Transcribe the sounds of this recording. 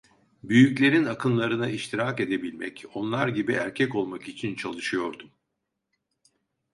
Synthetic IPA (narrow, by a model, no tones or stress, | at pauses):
byjyclʲe̞ɾinakʰɯnlˠaɾɯnaiʃt̪ʰiɾake̞d̪e̞bilʲmɛ̰co̞nlˠaɾɟibiʔæɾcʰɛco̞lˠmakit͡ʃʰint͡ʃʰalˠɯʃɯjo̞ɾd̪um